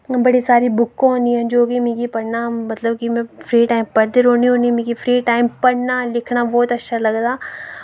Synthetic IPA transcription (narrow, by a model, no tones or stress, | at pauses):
bɐɽisaːɾibʊkːõɦõːnd̪iɦɛ̃d͡ʒoːkimĩːkipɐɽnamɐt̪ləbkimɛ̃fʰɾiːʈaːɪmpɐɾd̪eɾoːniɦõːnimĩkifʰɾiːʈaːɪmpɐɽnalɪkʰnabɔːt̪ɐtːʃʰalɐɡd̪aː